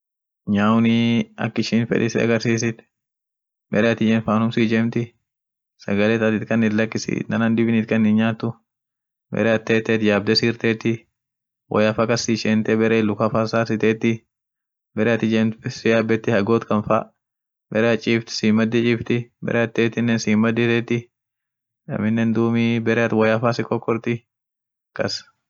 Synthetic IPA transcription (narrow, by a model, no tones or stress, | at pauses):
ɲaːʊniɐ̰kːɪʃiːnfɛ̰ᶑɪsɪɐ̰ɡɐɾsiːs̬ɪt̪ | bɛɾɛɐt̪ɪd͡ʒɛnfaːnʊmsiːd͡ʒɛmt̪ɪ | sɐ̰ɡɐlɛt̪ɐt̪ɪt̪kʼɐnːɪt̪lɐkːɪsḭːnɐnɐnd̪ɪbɪnɪt̪kʼɐnːɪnɲaːt̪ːʊ | bɛ̰ɾɛɐt̪ːeːt̪ːɛt̪jaːb̚d̪ɛsiːɾt̪eːt̪ːɪ | wʔɔ̰jɐfakɐsːiʃɛnt̪ɛbɛɾeːlʊkɐfasaːsɪt̪eːt̪ːɪ | bɛɾɛɐt̪ːɪd͡ʒɛnsɪjaːbɛt̪ːɪhɐɡoːt̪kɐnfa̰ | bɛɾɛɐt͡ʃʼiːft̪ɪ̥siːmːɐd̪ːɪt͡ʃʼɪːft̪ɪbɛ̰ɾʔɛɐt̪ːeːt̪ɪnːɛnsiːmːɐd̪ɪt̪ɛːt̪ːɪ | ɐ̰mɪnːɛnd̪uːmiːbɛɾɛɐt̪wɐjɐfaːsɪkɔkːɔɾt̪ɪ | kɐs